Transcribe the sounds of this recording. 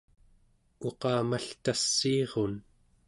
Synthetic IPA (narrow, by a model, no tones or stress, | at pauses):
o̞qɑːmaɬt̪asːiːʁon